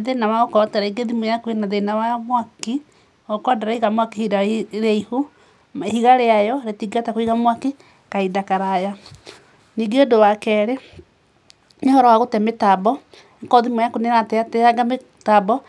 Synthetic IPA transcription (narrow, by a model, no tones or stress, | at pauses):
ðenawaɣokɔtɛɾaiɡeðimojakuenaðenawamwaki | kwadaɾaiɣamwakihiɾaɾaiho | hiɣaɾeajɔɾetiɡatakoiɣamwaki | kaidakaɾaja | niɡeodowakɛɾe | ɲehɔɾɔwaɣotɛmetabɔ | ŋkɔðimojakonenateatɛaɡame | tabɔ